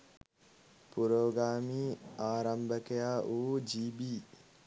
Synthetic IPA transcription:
puɾoːɡaːmiːaːɾɐmbʱəkejaʔuːd͡ʒiːbiː

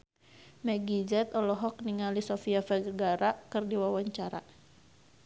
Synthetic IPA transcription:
mɛɡid͡ʒɛt̪ɔlɔɦɔk̚niŋalisɔfiafɛɡərɡaɾakɨrdiwawaɲt͡ʃaɾa̰

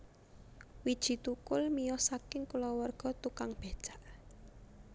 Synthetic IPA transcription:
wid̥ʒ̥i̤t̪ukʊlmijɔsakɪŋkulɔwərɡ̥ɔ̤t̪ukaŋb̥e̤d̥ʒ̥aʔ

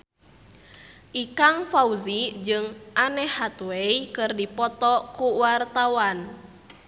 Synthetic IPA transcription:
ʔikaŋfauzid͡ʒɨŋʔanɛhat̪weikɨrdipɔt̪ɔkuwart̪awan

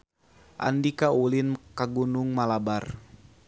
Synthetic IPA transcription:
ʔa̰ndikaulinkaɡunuŋmalabar

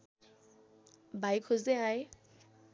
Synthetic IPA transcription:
bajkʰuzeaj

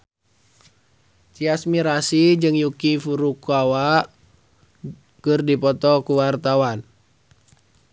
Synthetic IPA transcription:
t͡ʃ̪iasmiɾasid͡ʒɨŋjukifuɾukuawa | kɨrdipɔt̪ɔkuwart̪awan

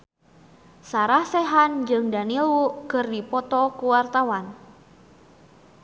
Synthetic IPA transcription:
saɾahsɛɦand͡ʒɨŋdanilwuʔkɨrdipɔt̪ɔkuwart̪awan

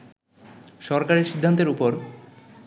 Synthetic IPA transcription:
ʃɔɾkaɾeɾʃid̪ʱːant̪eɾupoɾ

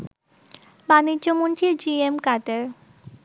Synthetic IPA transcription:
banidːʑomont̪ɾiɾd͡ʑiemkat̪eɾ

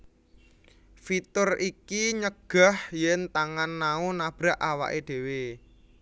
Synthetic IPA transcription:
fit̪ʊrikiɲəɡ̥ahjɛnt̪aŋanːaunab̥ɾa̤ʔawa̰ʔed̪̥e̤we

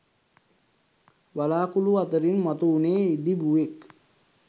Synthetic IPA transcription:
ʋalaːkuluat̪əɾinmat̪uːneːid̪ibuʋek

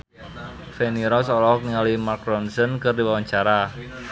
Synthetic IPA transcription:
feniɾɔs̬ɔlɔk̚niŋalimakɾɔnsənkərdiwawaɲt͡ʃaɾa

